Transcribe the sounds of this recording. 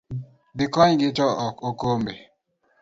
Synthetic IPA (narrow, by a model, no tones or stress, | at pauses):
bikɔɲɡit͡ʃɔɔkokombe